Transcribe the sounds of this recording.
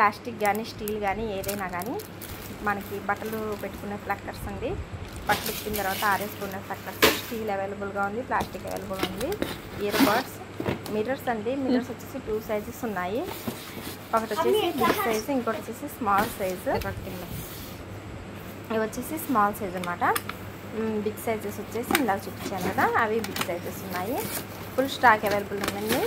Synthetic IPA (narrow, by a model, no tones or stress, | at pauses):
plaːsʈik̚ɡaːniːsʈiːlɡaːnieːd̪ɐjnaːɡaːni | mɐnɐkibɐʈɐlupeʈːu̥kunːe̞ːplɐkːɐɾsɐɳɖi | pɐʈːɐlipːinit̪ɐɾʋaːt̪ɐaːɾesʈunːe̞ːplɐkʈɐɾssʈiːleʋeːlɐbulɡaːund̪iplaːsʈikeʋḛːlɐbulund̪i | ijɐɾpaːɖs | miʈɐɾsɐɳɖimiʈɐɾsot͡ʃːeːsiʈuːsɐjzisunːaːji | ɐkːɐʈot͡ʃːeːsibiɡsɐjziŋkoːʈɐt͡ʃːeːsismaːlsɐjzkʈiŋlo | ʋɐt͡ʃːeːsismaːlsɐjd͡ʒɐnɐmaːʈɐ | biɡsɐjd͡ʒesot͡ʃːe̞ːsiɳɖaːkt͡ʃupːit͡ʃːaːnukɐd̪aːɐʋibiɡsɐjd͡ʒesunːaːji | pulsʈaːkeʋeːlɐbulund̪ɐɳɖi